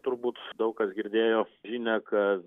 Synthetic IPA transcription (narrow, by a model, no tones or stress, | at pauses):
t̪ʊɾbuːt̪d̪ɐʊkkɐsɡʲɪɾʲd̪ʲeːjoːʒʲiːnʲɛkɐ